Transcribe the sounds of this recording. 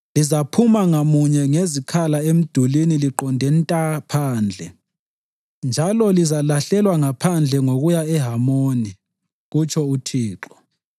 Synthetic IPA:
lizapʰumaŋamuɲɛŋezikʰalaem̩d̥ʱuliniliǃɔndʱɛntʼapʰaːnd͡ɮʱɛ | nd͡ʒʱalɔlizalaɬɛlwaŋapʰand͡ɮʱɛŋoɣujaɛɦamoːni | ɣut͡ʃʰʼɔutʰiːǁɔ

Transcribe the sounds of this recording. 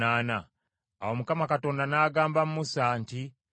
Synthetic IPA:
aːna | a̰womukamakato̞ːndanaːɡaːmbamumusaːnti

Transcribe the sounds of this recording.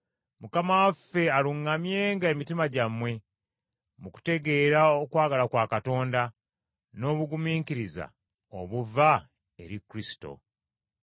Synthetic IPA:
mukamawafːe̞aluŋɡamje̞ːŋɡaemitimaɟamwe̞ | muku̥te̞ɡe̞ːɾaokwaːɡalakwaːkato̞ːnda | no̞ːβuɡumiːkiɾiza̰ | o̰βuva | e̞ɾikɾisi̥to̞̰

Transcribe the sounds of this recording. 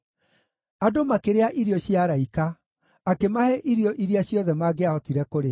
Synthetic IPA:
adomakeɾeaʔiɾiɔɕjaɾaikaː | kemahɛʔiɾiɔʔiɾiaɕjɔðɛmaɡeahɔtiɾɛkoɾe

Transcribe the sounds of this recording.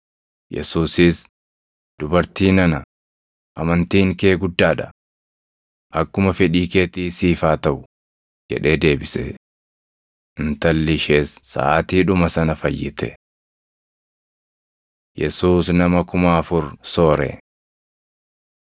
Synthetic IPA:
jɛ̰suːsɪs | d̪̥ʊbɐɾt̪iːnɐnɐ | ʔɐmɐnt̪iːŋke̞ːɡʊd̪ːaːᶑɐ | ʔɐkːʊmɐfɛᶑiːke̞ːt̪iːsiːfaːt̪ɐʔʊ | d͡ʒɛ̰ᶑe̞ːd̪e̞ːbɪsɛ | ʔɪnt̪ɐlːɪʃeːsːɐ̰ʔaːt̪iːᶑʊmɐsɐnɐfɐjːɪt̪ɛ̰ | jɛ̰suːsnɐmɐkʊmaːɐfʊɾsoːɾɛ̰

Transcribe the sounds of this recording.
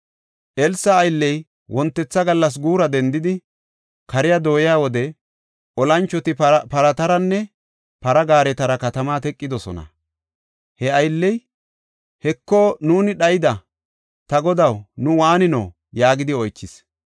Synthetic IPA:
ʔɛlsːɐːjlːɛj | wɔnt̪ːɛt͡sːɐɡɐlːɐs̬ɡuːɾɐd̪ɛnd̪ɪd̪ɪ | kɐɾɪjad̪o̞ːjɪjaːwɔd̪ɛ | ʔɔlɐnt͡ʃːɔt̪ɪpɐɾɐt̪ɐɾɐnːɛ | pɐɾɐɡaːɾɛt̪ɐɾɐkɐt̪ɐmaːt̪ɛkʼːɪd̪ɔsɔ̰nɐ̰ | hɛɐjlːɛj | hɛkːɔnuːnɪɗɐjɪd̪ɐ | t̪ɐɡɔd̪ɐwnʊwaːnɪno̰ː | jaːɡɪd̪ɪɔjt͡ʃːɪs

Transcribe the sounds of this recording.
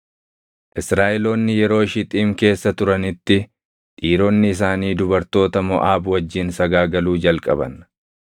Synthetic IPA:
ʔɪsɾaːʔɛlo̞ːnːɪjɛɾo̞ːʃɪt̪ʼiːmke̞ːsːɐt̪ʊɾɐnɪt̪ːɪ | ᶑ̪ʼiːɾo̞ːnːɪːs̬aːniːd̪ʊbɐɾt̪o̞ːt̪ɐmɔʔaːbwɐd͡ʒːɪnsɐɡaːɡɐluːd͡ʒɐlkʼɐ̰bɐ̰n

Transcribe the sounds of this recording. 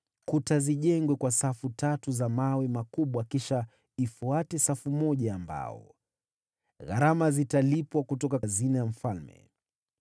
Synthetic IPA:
kutaziʄɛŋɡwɛkwasafutatuzamawɛmakuɓwakiʃa | ifuatɛsafumɔʄaːmba̰ɔ̰ | ɣa̰ɾamazitalipwakutɔkazinaam̩falmɛ̰

